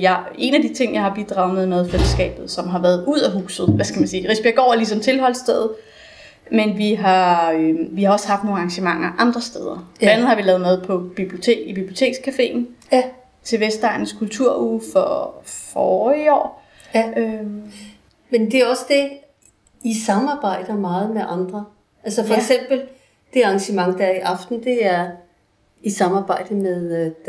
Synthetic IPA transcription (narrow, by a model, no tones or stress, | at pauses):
jɑ | e̝næd̥it͡sʰe̝ŋ̰jɑ̈hɑ̈b̥id̥ʁɑ̈ʊmeðˠmeðˠfel̰əsɡ̥ɛ̰ːb̥ð̞̩ˠsɒ̽mɦɑ̈ʋæːɐð̩ˠuð̞̰ˠæɦuːsð̩ˠʋæskʰæmænsiːʁisb̥iɐɡ̥ɒ̰ːlis̬ɒ̽mt͡sʰe̝lɦɒ̽l̰sd̥eð̩ˠ | menʋiɦɑ̈øʋihɑ̈ɒ̽shɑ̈fd̥no̝ːŋ̩ɑ̈ŋɕəmɑ̈ŋ̰ɐʔɑ̈nd̥ʁɐsd̥eð̞ˠɐ̥ænð̩ˠhɑ̈ʋilɛːð̩ˠmeð̞ˠpʰɒ̽b̥ib̥lio̝t͡sʰe̝̰ːɡ̥ib̥ib̥lio̝t͡sʰe̝̰ːɡ̥skʰæfe̝̰ːn̩ | t͡sʰe̝ʋesd̥ɑɪnskʰult͡sʰuɐ̰uːfɒ̽fɒːiɒ̰ː | ø | mend̥e̝æɐɒ̽səd̥e̝ | isɑ̈mɑ̈ːb̥ɑ̈ɪ̰d̥ɐmɑ̈ːð̞̩ˠmeʔɑ̈nd̥ʁɐ | ʔælsəfɒeɡ̥sem̰b̥l̩ | d̥e̝ɑ̈ŋɕəmɑ̈ŋd̥æɐiʔɑ̈fd̥n̩d̥e̝æɐ | isɑ̈mɑ̈ːb̥ɑ̈ɪ̰d̥əmeð̥ˠ